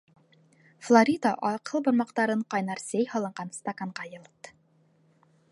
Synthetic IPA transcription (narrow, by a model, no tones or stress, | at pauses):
flˠoɾʲid̪aʔɑqɤlˠbŏɾmɑqt̪ɑɾɤɴqɑjnɑɾsæjhɑlˠɤ̆ɴɢɑnst̪ɐkaɴʁɑjɤ̆lˠɤt̪ː